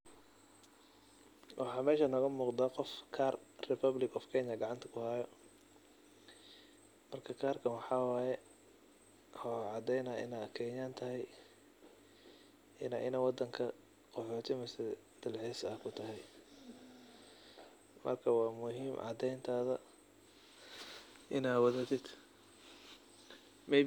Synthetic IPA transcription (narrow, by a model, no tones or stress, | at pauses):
wʔɑħɑːmɛːʃɐnɔɣɐmuːqd̪aːqɔfkʰaːrrɪpʰɐblɪkɔfkʰɛɲɐɡɑʕɑnt̪ʰɐ̥kʰʊhaːjɔ | mɐrkʰɐkʰaːrkʰɐwɑħɑːwɑːjɛ | hɔʕɑd̪ɛjnɐːʔɪ̰naːkʰɛːɲaːnt̪ʰɐɦɛj | ʔɪnaːʔɪnaːwɑd̪ɐŋkʰɐ | qɔħɔːt̪ʰɪmɪsɛ | d̪̥ɐlʕiːsɐhkʰʊt̪ʰɐɦɛj | mʔɐ̰rkʰɐwɑːmʊɦiːmʕɑ̰d̪ɛjnt̪ʰaːðɐ | ʔɪnaːwɐðɐt̪ʰɪd̪ | mɛ